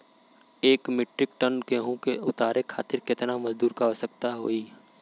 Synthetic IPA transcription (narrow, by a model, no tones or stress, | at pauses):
eːkmɪʈɾɪk̚ʈənkeɦũkeʊt̪aːɾekʰa̰ːt̪ɪɾkɪt̪namɐzd̪uːɾkaəsək̚t̪aɦo̰ːi